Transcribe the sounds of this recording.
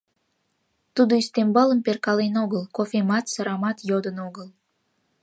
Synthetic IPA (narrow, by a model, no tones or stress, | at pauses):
t̪ud̪oist̪embɑləmperkɑlenoɣəlkofemɑt̪səɾɑmɑt̪jod̪ənoɣəl